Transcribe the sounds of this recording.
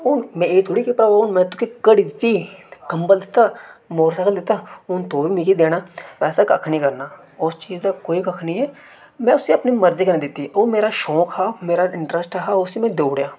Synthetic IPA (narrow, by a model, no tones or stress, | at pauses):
ʊnmɛ̃eːt̪ʰʊɽikipɾɐbaʊnmɛ̃t̪ʊkikəɽid̪t̪ikɐ̃mbəld̪et̪amoːɾsaːkəld̪et̪aʊnt̪oːbʱimikid̪eːnaʋɛːsakɐkʰnikɐɾnaː | ʊst͡ʃiːzd̪akoːikɐkʰniɦɛ | mɛ̃ʊseɐpnimɐɾzikɐned̪eːt̪ioːmeːɾaʃɔːkɦameːɾaɪ̃ɳʈɾəsʈaɦaʊsimẽd̪oːʋɽjaː